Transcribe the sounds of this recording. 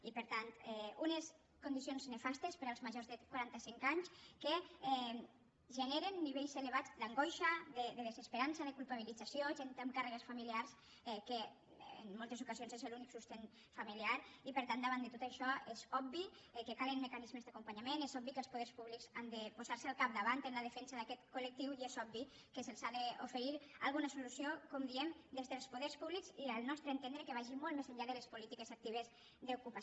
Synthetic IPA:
ipəɾt̪ant̪ɛunes | kund̪isionznefast̪espeɾalzmaʒozðekwaɾant̪asiŋkaɲskeɛ | ʒeneɾenːiβ̞ejseleβ̞ad͡zlaŋɡojʃaðeðeðezespeɾansaðekulˠpaβ̞ilid͡zasjoʒent̪amkareɣesfamiliaɾs | ɛkḛː | nmolˠt̪ezukazionzezeluniksust̪en | familiaɾipəɾt̪and̪əβand̪ət̪ot̪aʃɔezɔbbi | ekekalənmekanizmezd̪əakumpaɲamenezɔbikəlspuðɛɾspuβlikzand̪əpuzaɾsəalˠkap̚d̪əβant̪ənləðəfɛnsəðakɛt̪kulək̚t̪iwiezɔbbi | kəsəlsaðəufəɾiɾa̰lɣunəsulusiokɔmd̪iɛmd̪ezðelˠspuðeɾspuβlikziəlˠnɔst̪ɾəeːnt̪end̪ɾekeβaʒimolˠt̪mezəʎaðəlespulit̪ikezak̚t̪iβ̞əz | d̪əukupa

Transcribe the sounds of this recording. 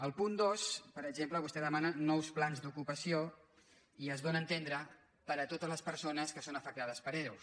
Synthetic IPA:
əlˠpund̪ospəɾəɡʒempləβust̪ɛðəmanənɔwsplanzd̪ukupəsio | iəzβonənt̪end̪ɾə | pəɾət̪ot̪əzləspəɾsonəskəsonəfək̚t̪að̞əspəɾeɾws

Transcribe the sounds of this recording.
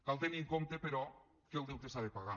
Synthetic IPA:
kalˠt̪eniŋkomt̪epeɾɔ | kelˠd̪ewt̪esaðepaɣa

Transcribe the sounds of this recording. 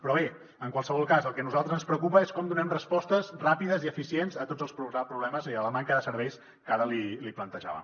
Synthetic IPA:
pɾɔβe | əŋkwalˠsəβ̞ɔlˠkazəlˠkɛnuzalˠt̪ɾəzənspɾəkupəeskɔmd̪unɛmrəspɔst̪əzrapiðəziəfisienzət̪ozəlˠspɾuɛpɾuβlɛməziələmaŋkəðəsəɾβɛjs | kaɾəliliplənt̪əʒa̰βə̰

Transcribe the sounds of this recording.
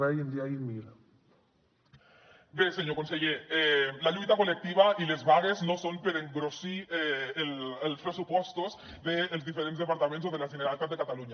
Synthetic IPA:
eojend̪iaiɾmiɾa | beseɲokonseɣeelaʎut̪akolek̚t̪iβ̞ailezβaɣ̞eznosompeɾeŋɡɾosieelelspɾesupwost̪oz | ðeːlzðifeɾentzðepaɾt̪amentsoðelazʝeneɾalt̪azðekat̪aluɲa

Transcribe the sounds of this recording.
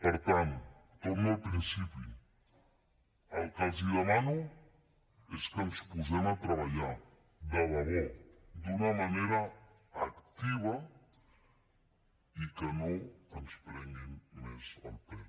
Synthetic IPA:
pəɾt̪ant̪oməlpɾinsipiu | əlˠkaziðəmanu | eskənspuzɛmat̪ɾəβaʎa | d̪əβaβod̪unɐmaneɾɐː | kt̪iβɐ | ikənoənspɾɛŋinːɛzə̰lˠpɛ

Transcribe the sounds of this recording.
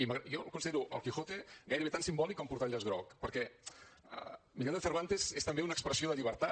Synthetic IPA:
iməɣjokunsiðeɾuʔə̰lˠkixot̪eɣajɾəβet̪ansimbɔlikompuɾt̪aʎazɣɾɔkpəɾkɛ | ə̰miʎald̪fəɾβ̞ant̪eszest̪əmbeunəkspɾəsioðəʎiβ̞əɾt̪a

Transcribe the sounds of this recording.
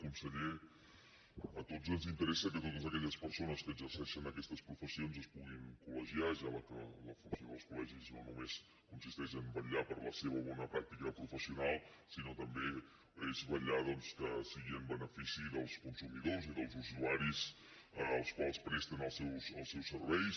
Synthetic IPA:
kunsəʎe | ət̪ozənzint̪əɾɛsəkət̪ot̪əzəkɛʎəspəɾsonəskəzərsəɛʃənəkɛst̪əspɾufəsionzəspuɣiŋkuləʒiaʒaləkə̰ləfunsjoðəlˠskulɛʒizno̰numes | kunsist̪ɛʃəmbəʎapəɾləseβəβɔnəpɾak̚t̪ikəpɾufəsiunalˠsinot̪əmbe | ezβəʎaðɔnskəsiɣiəmbənəfisiðəlˠskunsumiðoziðəlˠzuzuaɾis | əəlˠskwalˠspɾɛst̪ənəlˠsɛwsəlˠsɛwsəɾβɛjs

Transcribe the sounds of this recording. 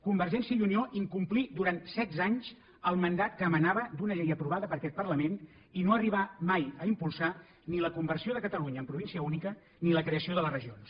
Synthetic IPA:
kumbərʒɛnsiəiunioʔiŋkumplid̪uɾant̪sɛd̪zaɲz | əlˠmənd̪at̪kəːmənaβəd̪unəʎɛjəpɾuβaðəpəɾkɛt̪̚pərləmen | inoəriβ̞amajəimpulˠsa | niləkumbərsioðəkət̪əluɲəːmpɾuβinsiəunikə | niləkɾeəsioðələsrəʒions

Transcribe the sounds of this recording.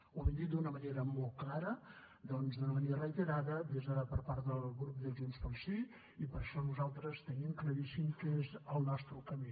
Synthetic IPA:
oβind̪id̪unəməneɾəmɔlˠt̪̚klaɾə | d̪ɔnzðunəməneɾərəit̪əɾaðəβezəpəɾpaɾt̪d̪əlˠɣɾup̚d̪əʒunspəlˠsi | ipəɾʃɔnuzalˠt̪ɾəst̪ənimkləɾisimkezəlˠnɔst̪ɾukəmi

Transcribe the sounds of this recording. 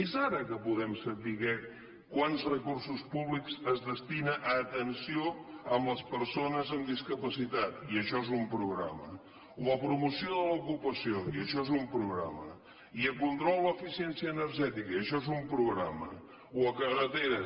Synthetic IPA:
ezaɾəkəpuðɛmsətiɣɛ | kwanzrəkursuspuβlikzəzðəst̪inəʔəːt̪ənsioəmləspəɾsonəzəmd̪iskəpəsit̪at̪iəʃɔezumpɾuɣɾa̰mə | uəpɾumusioðələukupəsioiəʃɔezumpɾuɣɾa̰mə̰ | iəkunt̪ɾɔlˠləːfisiɛnsiəːnəɾʒɛt̪ikəiəʃɔezumpɾuɣɾamə̰ | wəkərət̪eɾə

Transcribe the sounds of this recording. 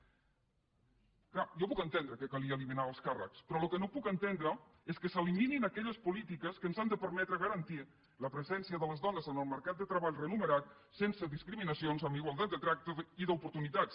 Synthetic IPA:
klajɔpukənt̪end̪ɾəkəkəliəːliminaəlˠskarə̰kspɾɔlukənopukənt̪end̪ɾə | eskəsəlimininəkɛʎəspulit̪ikəskəːnzand̪əpəɾmɛt̪ɾəɣəɾənt̪i | ləpɾəzɛnsiəðələzðɔnəzənəlˠməɾkat̪̚d̪ət̪ɾəβaʎrənuməɾat̪̚ | sensəðiskɾiminəsionzəmbiɣwalˠt̪at̪d̪ət̪ɾak̚t̪əiðəupuɾt̪unit̪at̪s

